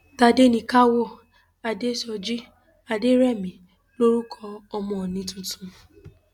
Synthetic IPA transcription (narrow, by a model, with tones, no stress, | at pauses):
ta˧de˦nĩ˧ka˦wɔ˦˨ | a˨de˦ʃɔ˧d͡ʒi˦ | a˧de˦ɾɛ˦˨mĩ˨ | lo˦ɾu˦kʰɔ˧ɔ˧mɔ̃˧˨ɔ˨nĩ˨˦tũ˧tũ˧